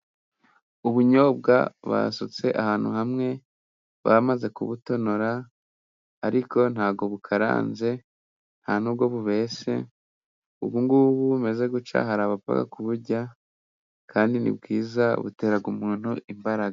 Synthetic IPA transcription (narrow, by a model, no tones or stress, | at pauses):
uβuɲo̞b̚ɡa̰βa̰sut͡se̞ʔahaːn̥hṵhamŋe̞ | βa̰maze̞kuβuto̞noɾaː | ɾiko̞nhaːβɡo̞βukʰaɾa̰ːnze̞ | n̥haːnubɡo̞βuβe̞ːse̞̰ | ṵβuŋɡuβuβume̞ze̞ɡut͡ʃa̰ɦaɾaβapa̰ka̰kuβuɾɟa | kʰaːndinḭbɡiːzaβṵte̞ːɾaɡumuːn̥huimbaɾaɡa